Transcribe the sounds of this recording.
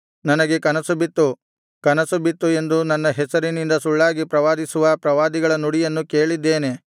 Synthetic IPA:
nɐnɐɡe̞kɐnɐsubit̪ːu | kɐnɐsubit̪ːue̞nd̪unɐnːɐɦɛsɐɾinind̪ɐsuɭːaːɡipɾɐʋaːd̪isuʋɐpɾɐʋaːd̪iɡɐɭɐnuɽijɐnːuke̞ːɭid̪ːe̞ːne̞

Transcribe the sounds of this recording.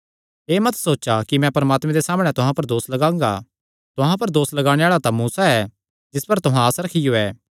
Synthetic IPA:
eːmɐt̪soːt͡ʃakimɛ̃pɐɾɐmaːt̪mɛ̃d̪esaːmɽ̃ɛt̪ʊɦãpɐɾd̪oːslɐɡãːŋɡa̰ | t̪ʊɦãpɐɾd̪oːslɐɡaːɽ̃eaːɭat̪ãmuːsaɛː | d͡ʒɪspɐɾt̪ʊɦãəsɾɐkʰɪjoɛː

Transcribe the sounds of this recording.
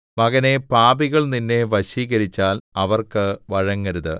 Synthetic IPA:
mɐɣɐne̞paːbiɣɐɭninːe̞ʋɐɕiːɣɐɾit͡ɕːaːlɐʋɐrkɨʋɐɻɐŋːɐɾuðɨ̰

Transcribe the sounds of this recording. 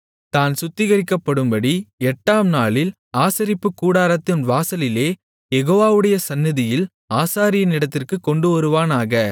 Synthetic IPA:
t̪aːnsʊt̪ːɪɣɐɾɪkːɐpːɐɽɯmbɐɽiɛʈːaːmnaːɭɪl | aːsɐɾɪpːɯkːuːɽaːɾɐt̪ːɪnʋaːsɐlɪleː | jɛɣoːʋaːʋɯɽɐjɐsɐnːɪðɪjɪl | aːsaːɾɪjɐnɪɽɐt̪ːɪrkɯkːɔɳɖɯʋɐɾɯʋaːnaːɣɐ

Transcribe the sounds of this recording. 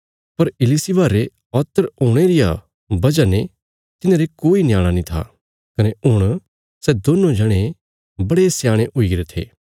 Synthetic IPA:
pɐɾɪlisibaːɾe | ɔːt̪əɾoːɽ̃eɾɪja | bɐd͡ʒane | t̪ɪnẽɾekoːinjaːɽ̃anĩt̪ʰa̰ | kɐneʊɽ̃ | sɛd̪oːnõd͡ʒʱɐɽ̃e | bɐɽesjaːɽ̃eʔʊiɡɾet̪ʰḛː

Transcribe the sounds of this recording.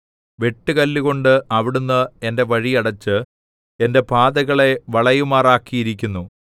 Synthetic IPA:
ʋe̞ʈːɨkɐlːiɣo̞ɳɖɨɐʋiɽunːɨe̞nde̞ʋɐɻiɐɽɐt͡ɕːɨ | e̞nde̞paːðɐɣɐɭe̞ʋɐɭɐjumaːraːkːijiɾikʲːunːu

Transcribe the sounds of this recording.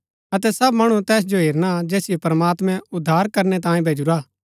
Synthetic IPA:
ɐt̪̬ɛsɐbmɐɽ̃ut̪ɛːs̬d͡ʒoɦeːɾnad͡ʒɛːsɪjopɐɾɐmaːt̪mɛ̃ʊd̪ʱːaːɾkɐɾnɛt̪̬ãːẽbʱeːd͡ʒuɾaː

